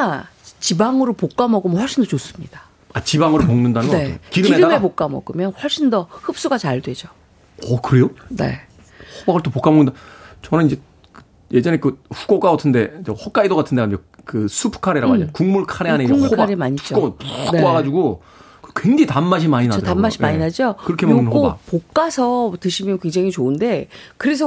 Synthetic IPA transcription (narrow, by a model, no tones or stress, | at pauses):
t͡ɕibaŋɯɾopok͈amʌɡomʌɸwʌɭɕ͈indʌt͡ɕos͈ɯ̥mɲḭd̥a | at͡ɕibaŋɯɾop̬oŋnɯndanɯnekiɾɯmeɾɯamepok͈amʌ̰ɡɯmjʌnɸwʌɭɕ͈indʌhɯp̚s͈uɡat͡ɕaɭdwe̞d͡ʑo | ʌkɯɾe̞jone̞̰ | hobaɡɯɭt͈ʰopok͈amʌŋindat͡ɕʌnɯnid͡ʑe̞ | kɯ | je̞d͡ʑʌne̞kɯɸu̥ɡok͈aotʰɯnde̞d͡ʑehwʌk͈aidoɡatʰɯndead͡ʑekɯsʰupʰkʰaɾeɾaɡakuŋmuɭkʰaɾeɦaneid͡ʑeŋmuɭokʰaɾemaɲit͡ɕk͈oɯnoaɡad͡ʑuɡo | kɯkweŋd͡ʑiitamːaɕ̬ʰimaɲɯinaodtamːaɕʰimaɲinad͡ʑokɯɾʌkʰemonkopok͈asʰʌtɯɕʰimjʌnkweŋd͡ʑaŋit͡ɕoɯnde̞kɯɾe̞s̬ʰʌ